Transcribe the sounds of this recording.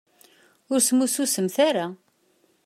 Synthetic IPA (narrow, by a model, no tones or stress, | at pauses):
ʊɾsmususəmθaɾa